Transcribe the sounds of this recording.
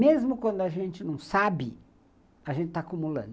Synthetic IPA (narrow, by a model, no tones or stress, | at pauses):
mezmʊkwɐ̃nd̪ʊɐʒẽnt͡ʃɪnɐ̃w̃sabɪ | ɐʒẽnt͡ʃɪt̪aːkumulɐ̰̃nd̪ʊ